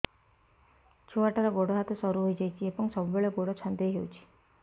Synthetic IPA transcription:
t͡ʃʰuaʈaɾɔɡoɽɔɦat̪ɔsɔɾuɦojd͡ʒajt͡ʃʰiebɔŋsɔbubeɭɔɡoɽɔt͡ʃʰɔnd̪eɦeut͡ʃʰi̥

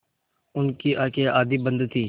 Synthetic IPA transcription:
ʊnkiːʔaːkeʔaːd̪iːbənd̪t̪ʰiː

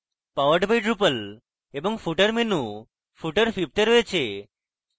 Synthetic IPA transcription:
paʋəɾɖbajʈɾupəl | ebɔŋfuʈəɾmenũ | fuʈəɾfib̚t̪əɾɔet͡ʃʰe

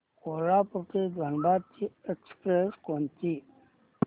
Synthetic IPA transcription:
kolaːpuɾked̪ʱənbaːd̪̚t͡ɕiekspɾeskont̪i

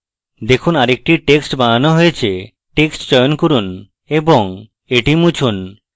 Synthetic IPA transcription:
d̪ekʰunaɾek̚ʈiʈeksʈbaanɔɦojet͡ɕʰe | ʈeksʈd͡ʑɔjonkoɾun | eboŋ | eʈimut͡ɕʰun

